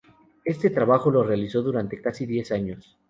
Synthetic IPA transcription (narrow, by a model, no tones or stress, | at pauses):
e̞st̪e̞t̪ɾaβaxo̞lo̞realiso̞ðuɾant̪e̞kasiðje̞saɲo̞s